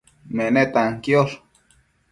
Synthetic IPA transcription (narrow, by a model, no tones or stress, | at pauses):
meʔnet̪aŋkjol